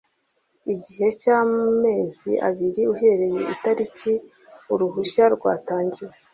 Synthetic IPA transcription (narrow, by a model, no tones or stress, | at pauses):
iɟiɦe̞caːme̞ːziʔa̰βiɾiuɦe̞ɾe̞je̞̰ʔitaɾici | uɾuɦuʃaɾɡwa̰ːtaːɲɟiwe